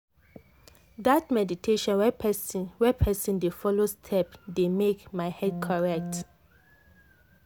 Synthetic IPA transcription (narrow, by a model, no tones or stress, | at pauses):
dat̚mɛditʰeʃɔ̃nwɛpɛswɛpʰɛsĩndefɔlostʰɛpdemekmaɪhɛd̚kʰɔɹɛk̚t